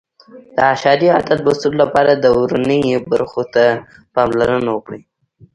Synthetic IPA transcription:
d̪̥əaʃɑd̪ia̰d̪at̪̚lʊst̪əlolapɑɾad̪əɾunəjbaɾxot̪a | pɑmlaɾənawəkɽi

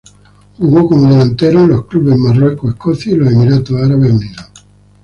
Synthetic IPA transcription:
xuɣokomoðelant̪eɾoloskluβezmarwekoehkoθjailosemiɾat̪osaɾaβezneɾo

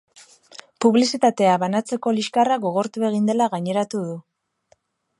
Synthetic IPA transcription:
puβlisit̪at̪e̞aβanat͡se̞ko̞liskaraɡo̞ɣ̞o̞ɾt̪ue̞ɣ̞ind̪e̞laɣaɲe̞ɾat̪uð̞u

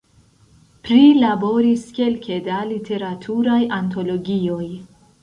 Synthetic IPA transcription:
pɾilabo̞ɾiske̞lkʰe̞dalitʰe̞ɾatʰuɾajʔanto̞lo̞ɡio̞j

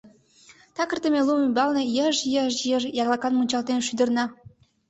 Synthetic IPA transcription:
t̪ɑkə̆rt̪ə̆mʲelˠumybɑlnɤ̆jə̆ʒjəʒjəʒjɑɣlˠɑkɑnmunʲt͡ɕɑlt̪enʃyd̪ə̆rnɑ

